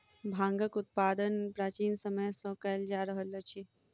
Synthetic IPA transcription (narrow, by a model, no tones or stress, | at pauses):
bʱãŋɡəkut̪̚pad̪ənpɾat͡ʃiːnsəməjsɔkəld͡ʒaɾəɦələt͡ʃʰi